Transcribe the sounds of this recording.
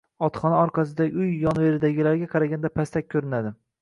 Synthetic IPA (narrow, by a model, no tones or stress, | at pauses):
ɒt̪χɒnaɒɾqʰɑs̬ɪd̪aɡʲʊjːɒnveɾɪd̪aɡʲɪlaɾɡʲaqʰɑɾaɡʲand̪apʰast̪ak̚ʲkʰːɵɾɪnad̪ɪ